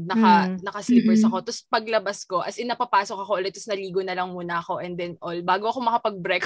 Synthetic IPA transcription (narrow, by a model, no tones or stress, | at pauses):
nɐkɐnɐkɐslɪpɛɹsɐko̞t̪ɔspɐɡlɐbɐsko̞ʔɐ̰sɪnɐpɐpaːsokɐkoʔɐlɛt̪ːɐsnɐliːɡonɐlɐŋmuːnɐʔɐko̞ʔɛnd̪ɛnʔolbaːɡoʔɐko̞mɐkɐpɐɡ̚bɾɛk